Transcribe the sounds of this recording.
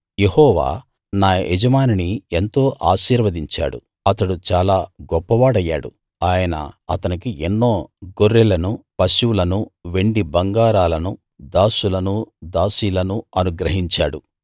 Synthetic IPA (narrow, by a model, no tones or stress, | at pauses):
je̞hɔːʋa̰ː | naːed͡ʒɐmaːninient̪o̞ːʔaːʃiːɾʋɐd̪iɲt͡ʃa̰ːɽṵ | ɐt̪ɐɽut͡ʃaːlaːɡɔpːɐʋaːɽɐjːa̰ːɽṵ | aːjɐnɐ̰ɐt̪ɐnikienːo̞ːɡoɾːɛlɐnupɐʃuwlɐnuʋe̞ɳɖibɐŋɡaːɾaːlɐnu | d̪aːsulɐnud̪aːsiːlɐnuɐnuɡɾɐɦiɲt͡ʃaːɽu